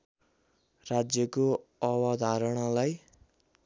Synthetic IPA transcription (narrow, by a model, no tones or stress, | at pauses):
rad͡zjʌkoʌwʌd̪ʱaɾʌɽ̃ʌlaj